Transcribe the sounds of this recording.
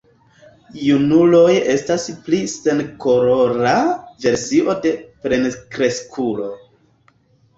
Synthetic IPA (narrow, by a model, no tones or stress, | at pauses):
junulo̞je̞stasplise̞nkoɾoɾave̞ɾsiʔo̞de̞pɾe̞nkɾe̞skʰulo̞